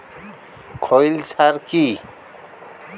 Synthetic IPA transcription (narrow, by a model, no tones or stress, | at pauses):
kʰojlsʰaɾki